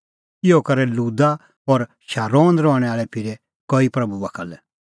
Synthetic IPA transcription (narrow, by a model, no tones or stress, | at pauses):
ɪokɐɾɛluːd̪a | ɔɾ | ʃaːɾoːnɾɔaɽ̃ɛaːɭɛpʰɪɾɛ | koːipɾɐbuɐkʰɐlɛ